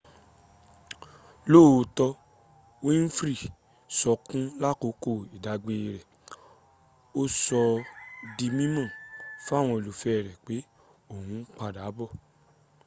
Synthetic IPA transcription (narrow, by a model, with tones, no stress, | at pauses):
loː˦˨˧tɔ˧ | wĩ˦n̩˦fɾi˦˨ | sɔ˧kũ˦la˦˨ko˧˦ko˦˨i˨da˨˦ɡ͡be˧ɾɛ˨ | o˦sɔ˧di˧mĩ˦mã˦˨fa˦˨w̃ɔ̃˧i˨lo˨fɛ˦˨ɾɛ˨k͡pe˨˦ | o˦˨hũ˨˦k͡pa˧˨da˨˦bɔ˦˨